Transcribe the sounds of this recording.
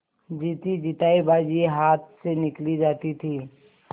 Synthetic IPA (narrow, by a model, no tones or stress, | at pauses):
d͡ʒiːt̪id͡ʒɪt̪aːibaːd͡ʒieɦaːt̪̚ʰsenɪklid͡ʒaːt̪it̪ʰiː